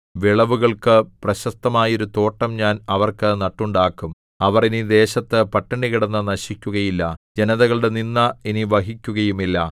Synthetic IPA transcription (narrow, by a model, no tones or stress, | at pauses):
ʋiɭɐʋuɣɐɭkɨprɐɕɐst̪ɐmaːjɐo̞ɾut̪o̞ːʈːɐmɲaːnɐʋɐrkɨnɐʈːuɳɖaːkːum | ɐʋɐrinid̪e̞ːɕɐt̪ːɨpɐʈːɐɳɖiɣiɽɐnːɐnɐɕikʲːuɣɐjilːɐd͡ʑe̞nɐðɐɣɐɭɨɽe̞ninːɐiniʋɐɦikʲːuɣɐjumilːɐ